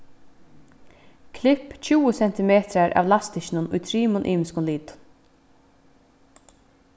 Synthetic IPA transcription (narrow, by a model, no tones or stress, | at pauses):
kʰlɪpt͡ɕʰuːəsɛn̥t̪ɪmeːt̪ɾaɾʔa̰ːʋlast̪ɪʃɪnʊnʊ̰jt̪ʰɾiːmʊnʔḭːmɪskʊnliːt̪ʊ̥n